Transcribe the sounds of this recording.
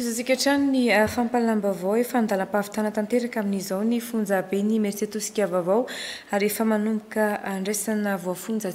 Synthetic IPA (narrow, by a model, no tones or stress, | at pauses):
izazikʲaʈ͡ʂaniniafampalambavowefand̪aləpavi̥t̪anat̪ant̪eɾakaminizawnifund͡zabenimeɾt͡set̪usi̥kʲavavaw | aɾefəmanumukəaɳɖ͡ʐesanəvoafund͡zə